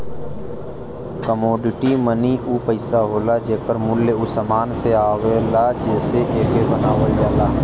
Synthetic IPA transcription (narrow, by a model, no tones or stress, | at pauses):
kəmoːɖɪʈiːməniːʔuːpəɪsaːɦoːlaːd͡ʒeːkəɾmʊlːeːusəmaːnseaːʋeːlaːd͡ʒeːseʔeːkeːbənaːʋəjaːlaː